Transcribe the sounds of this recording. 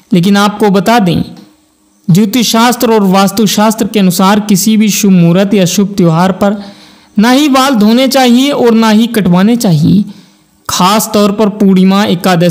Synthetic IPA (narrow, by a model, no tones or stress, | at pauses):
leːk̬ɪnaːp̚kobɐt̪ad̪ḛ̃ː | d͡ʒuːt̪iʃaːst̪ɾɔːɾʋaːst̪əʋʃaːst̪ɾəkeɐnʊsaːɾkɪsibʱiʃʊbmuːɾət̪jɐʃʊb̚t̪joɦaːɾpɐɾ | naɦiʋaːld̪ʱoːnet͡ʃaːɦieʔɔːɾnaɦikɐʈʋaːnet͡ʃaːɦiḛ | kʰaːst̪ɔːɾpɐɾpuːɽimãekaːd̪e